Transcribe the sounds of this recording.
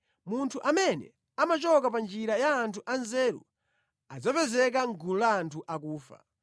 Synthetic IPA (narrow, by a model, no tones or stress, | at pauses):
muntʰuʔamɛnɛ̰ | amat͡ʃɔkapand͡ʒiɾajaːntʰuʔanzɛːɾṵ | ad͡zɔpɛzɛk̬aŋɡululaːntʰuʔakuːfa̰